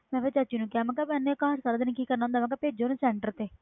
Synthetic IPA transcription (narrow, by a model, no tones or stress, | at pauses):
mɛ̃ːpeːt͡ʃat͡ʃiːnũːkɪaːmɛ̃kapɛ̃ːnːẽkaɦəɾsaːɾaːd̪ɪnːkiːkəɾnãːɦʊnd̪aːmɛ̃kɛːpeːd͡ʒoːnẽsɛːɳʈəɾt̪eː